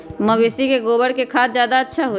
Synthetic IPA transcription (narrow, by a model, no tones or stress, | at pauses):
mɐʋeːsikeɡoːbəɽkekʰaːt̪zjaːd̪aətːʃʰaɦoː